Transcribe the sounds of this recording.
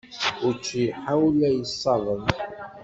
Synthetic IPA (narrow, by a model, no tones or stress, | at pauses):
ʊɾt͡ʃːijħawlæjəsˤːɑðˤəm